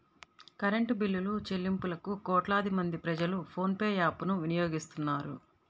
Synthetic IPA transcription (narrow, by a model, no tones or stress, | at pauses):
kɐɾeɳʈubilːulut͡ʃelːimpulɐkukɔːʈlaːd̪imɐnd̪ipɾɐd͡ʒɐlupʰo̞ːnpeːjaːpunuʋinijoːɡist̪unːaːɾṵ